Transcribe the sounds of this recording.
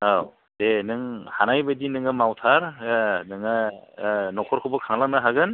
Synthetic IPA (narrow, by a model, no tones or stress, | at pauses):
aw | denɯŋhanajbadinɯŋɯmawtʰaɾnɯŋɯ | nɔkʰɔɾkʰɯbɯkʰaŋlak̚nɯɦaɡɯn